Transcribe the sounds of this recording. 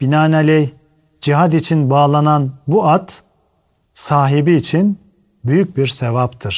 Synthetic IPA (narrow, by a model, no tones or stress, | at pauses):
b̥inaːnalʲɛj | d͡ʒiɦad̪it͡ʃʰinbaːlˠananbuat̪ | saːɦibiːt͡ʃʰin | byjyc̚biɾsevapt̪ʰɯɾ̥